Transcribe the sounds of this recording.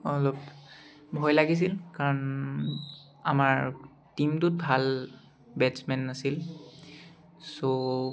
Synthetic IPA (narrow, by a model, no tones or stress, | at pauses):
ɔlɔp | bʱɔjlaɡis̬ilkaɹɔn | amaɹ | timtʊt̚bʱal | bɛdsmɛnːasil | so